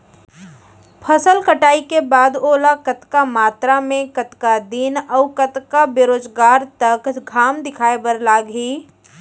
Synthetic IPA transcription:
pʰɐsəlkəʈaːikebaːd̪oːlakɐt̪kamaːt̪ɾamẽkət̪kad̪iːnɔːkɐt̪kabeɾoːd͡ʒɡaːɾt̪ɐkɡʱaːmd̪ɪkʰaːebəɾlaːɡɦiː

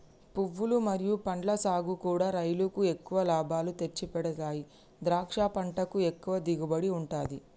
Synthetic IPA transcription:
puʋːulumɐɾijupɐɳɖlɐsaːɡukuːɽaːɾɐjlukue̞kːuʋɐlaːbʱaːlut̪e̞t͡ʃːipɛɽɐt̪aːji | d̪ɾaːkʂaːpɐɳʈɐkue̞kːuʋɐd̪iɡubɐɽiuɳʈaːd̪i

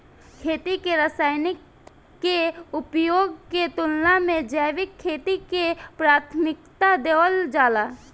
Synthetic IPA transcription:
kʰeːt̪ikeɾəsaːɪnɪkː | eʊpjoːɡket̪ʊlnamẽd͡ʒəːʋɪkʰːeːt̪ikepɾaːt̪ʰmɪk̚t̪ad̪eːwəld͡ʒaːlaː

